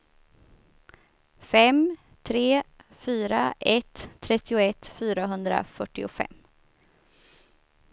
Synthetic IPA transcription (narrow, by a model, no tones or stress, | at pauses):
fɛm | t̪ʰɾeːfyːɾaʔɛt̪ʰːɾɛt̪ːɪʊɛt̪fyːɾaɦɵnd̪ɾa̰fœʈːɪʊfɛ̰mː